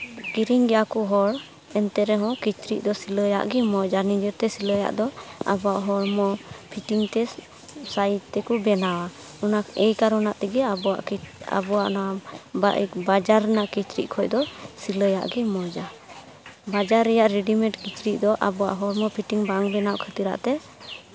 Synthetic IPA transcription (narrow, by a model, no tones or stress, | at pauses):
ɡiɾiŋɡɛjakuɦɔɽ | ɛnt̪ɛɾɛɦɔ̃kit͡ʃɾiʔ̚d̪ɔsiləja̰ʔɡɛmɔd͡ʒanĩd͡ʒəɾt̪ɛsiləja̰ʔd̪ɔa̰bɔaʔɦɔɾmɔpʰiʈiŋt̪ɛ | sajd͡ʒt̪ɛkubɛnawa | ɔnaɛjkaɾɔnaʔt̪ɛɡɛabɔwa̰ʔka̰bɔwaʔnababad͡ʒaɾnaʔkit͡ʃɾḭʔ̚kʰɔjd̪ɔsiləja̰ʔɡimɔd͡ʒa | bad͡ʒaɾɛjaʔɾɛɖimɛ̃ʈkit͡ʃɾiʔ̚d̪ɔʔa̰bɔwa̰ʔɦɔɾmɔpʰiʈiŋbaŋbɛnawkʰət̪iɾa̰ʔt̪ɛ